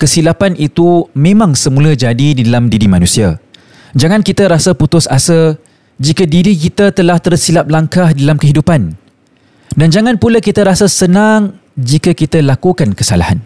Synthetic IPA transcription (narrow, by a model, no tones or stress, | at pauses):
kəsilapanit̪umẽmãŋsəmũlad͡ʒadididalamdiɾimanũsia | d͡ʒaŋãnkit̪aɾasaput̪ʊsa̰sə | d͡ʒikadiɾikit̪at̪əlaht̪ərsilap̚laŋkahdalamkəɦidupan | dand͡ʒaŋãnpulakit̪aɾasasənaŋd͡ʒikakit̪alakukankəsa̰lahan